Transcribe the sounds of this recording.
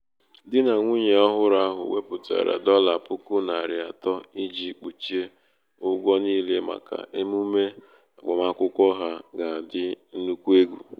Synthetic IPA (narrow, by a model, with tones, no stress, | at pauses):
dɪ˦na˨ŋʷu˦ɲe˨ɔ˦ɦʊ˦ɾa˦ɦʊ̰˨we˦pʊ˨ta̰˨ɾa̰˨dɔ˦la˨pʊ˦kʊ˦na˨ɾɪ˨a˨tɔ˦i˦d͡ʒi˦k͡pu˨t͡ʃi˦e˦ | ʊ˦ɡʷɔ˦niː˦le˦ma̰˨ka̰˨ʔe˦mu˦me˦ | a˨ɡ͡bɔ˨ma˦kʷʊ˦kʷɔ˦ɦa˦ɡa˨dɪ˦n̩˦nu˦kʷu˦e˦ɡʷu˨